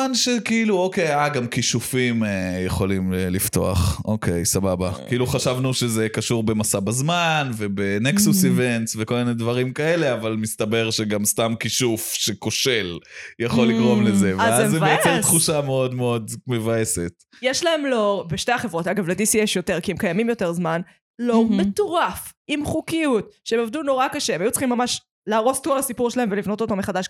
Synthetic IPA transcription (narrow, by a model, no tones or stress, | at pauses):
anʃekiiluokejaɡamkiʃufimejeχo̞limlift̪o̞̰a̰χʔo̞kʰe̞jsababakiʔiluχaʃavnuʃezekaʃuʁbemasabazmanve̞beneksusivent̪sveko̞lminedvaʁimkae̞le̞avalmist̪abe̞ʁʃeɡamst̪amkiʃufʃekoʃeljaχo̞lːiɡʁo̞mlezevazazevejoeʁt̪χuʃameo̞d̪meo̞d̪mevaeset | jeʃlaemloʁbeʃteaχe̞vʁo̞taɡavledisieʃjoteʁkiemkajamimjo̞te̞ʁzman | lomet̪oʁafimχukijutʃeemovduno̞ʁakaʃeemajut͡sχimːamaʃ | laːʁo̞stolasipuʁʃelaemvelivno̞t̪ot̪ameχad̪aʃ